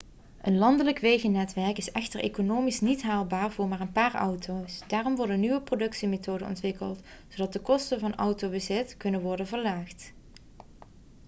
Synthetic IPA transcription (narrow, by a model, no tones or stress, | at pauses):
ʔənlɑndələkʋejɣənɛtʋɛɹkɪsɛxtəɹʔḛkonoːmisnitɦaːlˠbaːɹvʊːɹmaːɹənpaːɹʌ̰wtʰowsdaːrɔmʋɔɹdənyʋəprodɵksimetoːdənɔ̰ntʋɪkə̰lˠtsowdɑt̚dəkɔstənvɑnʌ̰wtowbəzɪtkɵnənʋɔɹdənvəɹlaːχt